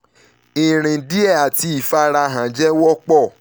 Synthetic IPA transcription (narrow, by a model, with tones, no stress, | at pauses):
i˨ɾ̃ĩ˨di˦ɛ˦˨a˨ti˧˦i˦˨fa˦ɾa˧ɦã˨d͡ʒɛ˦wɔ˦k͡pɔ˦˨